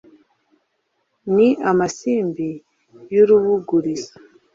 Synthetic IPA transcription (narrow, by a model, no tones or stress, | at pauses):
niʔamasiːmbi | juɾuβuɡuɾiza